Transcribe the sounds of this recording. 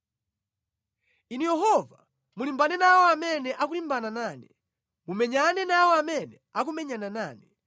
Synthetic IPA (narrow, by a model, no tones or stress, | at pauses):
inujɛɦɔva | mulimbanɛnawɔamɛnɛʔak̬ulimbananaːni | mumɛɲanɛnawɔamɛnɛak̬umɛɲananaːni